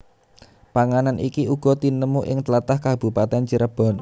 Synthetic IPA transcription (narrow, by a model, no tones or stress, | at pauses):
paŋananʔḭkiʔuɡ̥ɔ̤t̪inəmuʔɪŋt̪əlat̪ahkab̥ṳpat̪ɛnt͡ʃəɾəb̥ɔ̤n